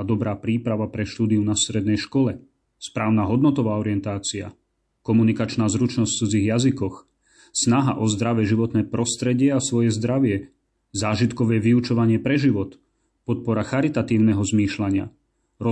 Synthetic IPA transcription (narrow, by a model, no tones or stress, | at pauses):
d̪ɔbɾaːpɾiːpɾaʋapɾɛʃt̪uːd̪iunast̪ɾɛd̪nɛjʃkɔlɛ | spɾaːʊnaːɦɔd̪nɔt̪ɔʋaːɔɾɪɛnt̪aːt͡sia̰ | kɔmunikat͡ʃnaːzɾut͡ʃnɔst͡sud͡ziɣjazikɔx | snaɦa̰ʔɔzd̪ɾaʋɛʒiʋɔt̪nɛːpɾɔst̪ɾɛɟɪɛasʋɔjɛzd̪ɾaʋɪɛ | zaːʒit̪kɔʋɛːʋiut͡ʃɔʋaɲɪɛpɾɛʒiʋɔt̪ | pɔt̪̚pɔɾaxaɾit̪at̪iːʊnɛɦɔzmiːʃlaɲɪa̰ | ɾɔ